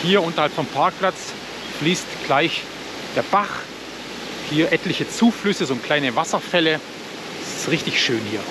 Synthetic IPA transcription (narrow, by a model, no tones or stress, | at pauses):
hiːɐʔʊntɐhalpfɔmpʰaɐk̚pl̥at͡s | fliːstɡ̥laɪç | d̥eːɐbaχ | hiːɐʔɛtlɪçət͡suːflʏsəzoːkl̥aɪnəvasɐfɛlə | sɪ̥sʁɪçtɪçʃøːnhiːɐ